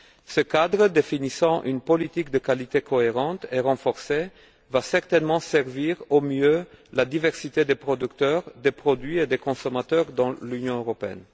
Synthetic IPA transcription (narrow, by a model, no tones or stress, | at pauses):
səkad̪ʁəd̪efinisɑ̃ʔy̰npɔlit̪ik̚d̪əkalit̪ekɔeʁɑ̃t̪eʁɑ̃fɔʁse | vasɛʁt̪ɛnmɑ̃sɛʁviʁomjølad̪ivɛʁsit̪ed̪epχɔd̪ykt̪œʁd̪epχɔd̪ɥied̪ekɔ̃sɔmat̪œʁd̪ɑ̃lynjɔ̃øʁɔpeɛ̰n